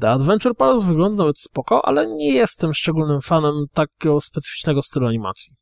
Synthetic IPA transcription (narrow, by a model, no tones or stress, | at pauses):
d̪ɛad̪vɛnt͡ʂɛɾpalɛzvɘɡlɔnd̪anavɛt̪spɔkɔʔa̰lɛɲɛjɛst̪ɛmʂt͡ʂɛɡulnɘmfanɛmt̪akʲɡɔspɛt̪sɘ̥fi̥t͡ʂnɛɡɔst̪ɘluaɲima̰t̪sʲji